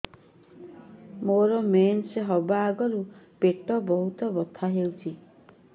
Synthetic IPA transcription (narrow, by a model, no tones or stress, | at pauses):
moɾɔmenseɦɔbaːɡɔɾupeʈɔbɔɦut̪ɔbɔt̪ʰaɦewt͡ʃʰi